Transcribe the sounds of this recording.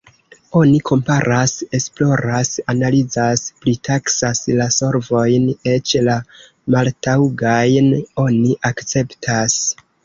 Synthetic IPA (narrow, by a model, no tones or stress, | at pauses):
o̞nikʰo̞mpaɾʔase̞splo̞ɾasanalid͡zasplitʰaksaslaso̞ɾvo̞jne̞t͡ʃla | maltawɡajno̞niʔakt͡se̞ptʰas